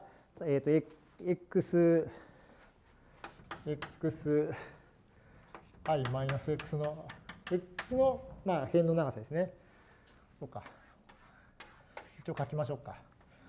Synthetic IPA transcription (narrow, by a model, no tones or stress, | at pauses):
eːt̪ːoe | ekːɯ̟sɨ | ekːɯ̟sɨ | aimainasɨekːɯ̟̥sɨno̞ekːɯ̟̥sɨno̞maːhẽ̞nːo̞naɡasad̪e̞sɨne̞ | soːkːa | it͡ɕiokakʲimaɕ̬o̞ːkːa